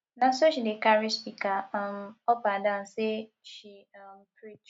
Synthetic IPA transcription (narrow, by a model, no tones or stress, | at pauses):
nãsoʃidekaɾispikam̩ɔpadãn̩se | ʃimpʰit͡ʃ